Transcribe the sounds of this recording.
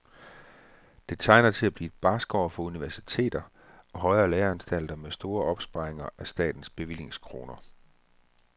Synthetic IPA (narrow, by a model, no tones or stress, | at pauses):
d̥e̝t͡sʰɑ̈ɪnɐt͡sʰe̝læb̥lḭːed̥̚b̥ɑ̈ːsɡ̥ɒːfɒ̽uniʋæɐsit͡sʰe̝̰ːd̥ɐ | ɒ̽ɦɒ̽ɪɐːlæːɐænsd̥æl̰d̥ɐmesd̥o̝ːɐʔɒ̽b̥sb̥ɑ̈eŋɐʔæsd̥ɛ̰ːd̥n̩sb̥e̝ʋil̰je̝ŋskʰʁo̝̰ːnɐ